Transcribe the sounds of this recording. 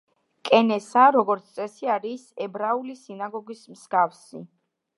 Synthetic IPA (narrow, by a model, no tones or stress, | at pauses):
kʼɛnɛsaɾɔɡɔɾt̪sʰt̪sʼɛsiaɾisɛbɾaulisinaɡɔɡismsɡafsi